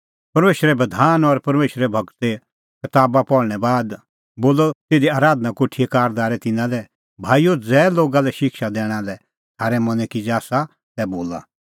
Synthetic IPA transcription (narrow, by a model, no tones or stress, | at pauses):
pɐɾmeːʃɾɛbɐd̪ʱaːnɔɾpɐɾmeːʃɾɛbʱɐkt̪e | kɐt̪aːbapɔɾɽ̃ɛbaːd̪ | boːlɔt̪eːd̪iaːɾaːd̪nakoːʈʰiekaːɾd̪aːɾɛt̪ɪnãlɛ | bʱaːijod͡zɛːloːɡalɛʃɪkʃad̪ɛːɽ̃alɛ | t̪ʰaːɾɛmɐ̃nɛ̃kid͡ʒaːsa | tɛboːla̰